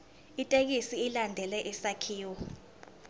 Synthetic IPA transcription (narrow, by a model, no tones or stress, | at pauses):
itʼek̬isiːlandʱɛlɛʔisakʰiːwɔ